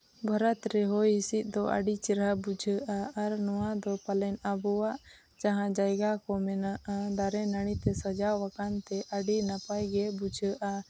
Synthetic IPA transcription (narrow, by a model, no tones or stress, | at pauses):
bʱəɾət̪ɾɛɦɔjɦisit̪̚ˀd̪ɔʔa̰ɖit͡ʃiɾɦabud͡ʒʱəʔaːɾnɔwad̪ɔpalɛnabɔwaʔ | d͡ʒaɦãd͡ʒajɡakɔmɛnaʔad̪aɾɛnaɽ̃it̪ɛsəd͡ʒawakant̪ɛʔaɖinapajɡɛbud͡ʒʱəʔa